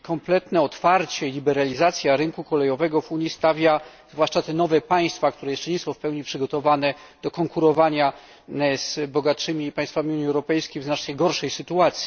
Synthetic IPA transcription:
kɔmplɛt̪nɛɔt̪faɾt͡ɕɛlʲibɛɾalʲizat̪sʲjaɾɘŋkukɔlɛjɔvɛɡɔvuɲist̪avʲja | z̥vwaʂt͡ʂat̪ɛnɔvɛpaj̃st̪fak̚t̪uɾɛjɛʂt͡ʂɛɲɛsɔ̃w̃fpɛwɲipʂɘɡɔt̪ɔvanɛ | d̪̥ɔkɔŋkuɾɔvaɲa | zbɔɡatʂɘmʲipajst̪famʲiuɲiɛwɾɔpɛjskʲejvznat͡ʂnɛjɡɔɾʂɛjsɘt̪uat̪sʲji

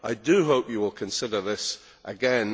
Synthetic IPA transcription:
ʔaɪdɨɦoʊpjɨwɪlˠkʰɨ̃nsɪdə˞ðɪs | ʔəɡɛ̃n

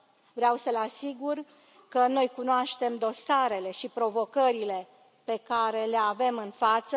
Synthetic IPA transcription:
vɾeawsəlasiɡur | kəno̞jkunoaʃt̪e̞md̪o̞saɾe̞le̞ʃipɾo̞vo̞kəɾile̞ | pe̞kaɾe̞le̞ave̞mɨnfat̪sə

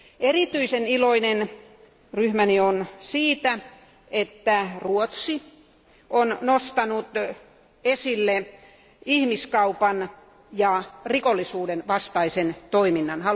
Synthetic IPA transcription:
erit̪yiseniloinen | ryhmænionsiːt̪æ | et̪ːæruot̪si | onnost̪ɑnut̪ | esilːe | ihmiskɑupɑn | jɑrikolːisuːdenʋɑst̪ɑisent̪oiminːɑnhɑ

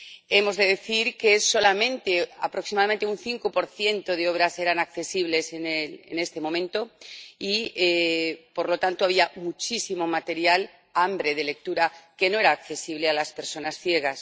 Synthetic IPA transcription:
e̞mo̞zðe̞ðe̞θiɾke̞so̞lamẽ̞nt̪ea̰pɾo̞ksimaðamẽnt̪eunθiŋko̞po̞ɾθje̞nt̪o̞ð̞e̞o̞β̞ɾase̞ɾanakθe̞siβle̞se̞nelḛne̞st̪e̞mõ̞mẽ̞nt̪o̞iepo̞ɾlo̞t̪ant̪oaβ̞iamut͡ʃisimo̞mat̪e̞ɾjal | ambɾe̞ð̞e̞le̞k̚t̪uɾake̞no̞e̞ɾaːkθe̞siβ̞lealaspe̞ɾso̞nasθje̞ɣ̞as

